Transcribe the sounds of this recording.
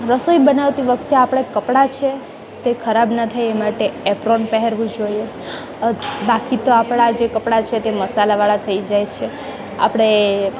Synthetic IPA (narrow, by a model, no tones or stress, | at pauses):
ɾəsoibənaʋt̪iʋək̚ʰt̪eapɽ̃ekəpɽat͡ʃʰe | t̪ekʰəɾabnət̪ʰajemaʈeepɾonpɛɦɛɾʋũd͡ʒoie | bakit̪oapɽ̃ad͡ʒekəpɽat͡ʃʰet̪eməsalaʋaɭat̪ʰəid͡ʒajt͡ʃʰe | a̰pəɽ̃e